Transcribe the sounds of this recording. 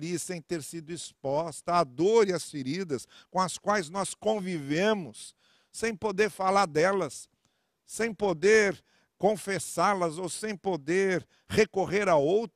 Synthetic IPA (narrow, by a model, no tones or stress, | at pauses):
liɐsẽj̃t̪eɾsid̪ʊispɔst̪ɐːd̪oɾiɐsfiɾid̪ɐskõɐskwajznɔskõvivẽmʊsː | ẽj̃pod̪eɾfalaɾd̪ɛlɐsː | ẽj̃pod̪eɾ | kõfesaɾlɐzowsẽj̃pod̪eɾ | hekoʁeɾaowt̪